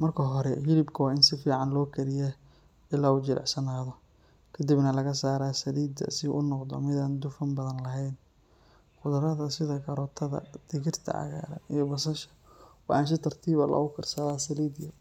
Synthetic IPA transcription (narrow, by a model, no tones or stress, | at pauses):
mɐrkʰɐɦɔɾɛfɪlɪbkʰɐwɑːɪnsɪfiːʕɑnlɔːkʰɐɾɪjɛ | ʔɪlaːuːt͡ʃɪɾʔɛ̰ʕsɐnaːðɔ | kʰɐd̪ibnɐlɐɣɐsaːɾaːsɐliːd̪ɐ̰sɪʔʊ̰nɔqd̪ɔ̰mɪðaːnd̪ʊfɐmbɐðɐnlɐɦɛjn | qʊðʊɾɐðɐsɪðɐɡɐɾɔːt̪ʰɐðɐ̰d̪̥ɪɣɪrt̪ʰɐ̰ʕɑ̰ɣa̰ːɾɐijɔbɐsɐʃɐ̥wɑaːnʃ̬ɪt̪ʰɐrt̪ʰiːβɐ̰lʔɐ̰ɣʊkʰɐrsɐlaːsɐliːd̪jɐ